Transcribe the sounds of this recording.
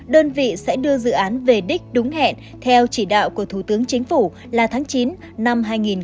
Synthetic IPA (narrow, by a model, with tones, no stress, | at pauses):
ɗəː˧nvḭ˧˨sɛ̰˧˥ɗɨ˧əzɨ̰˧˨ʔaː˨˦nve˨˩ɗï˦˥k̟̚ɗʊ˨˦ŋ͡mhɛ̰˧˨n | t̪ʰɛ˧wt͡ɕi˧˩ɗa̰ː˧˨wku˧˩ət̪ʰu˧˩t̪ɨ˨˦əŋt͡ɕï˨˦ŋ̟fu˧˩ | laː˨˩t̪ʰaː˨˦ŋt͡ɕi˨˦n | na˧mɦaː˧jŋi˨˩n